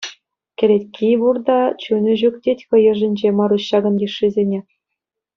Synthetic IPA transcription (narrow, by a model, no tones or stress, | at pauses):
kʲɘ̆ɾʲetʲkʲʰiβurd̪ɑt͡ɕunʲɘ̆ʑuktʲetʲkɤ̆jɤ̆ʐɘ̆nʲd͡ʑemɑɾuɕːɑɡɤ̆nɡʲiʂːizʲenʲe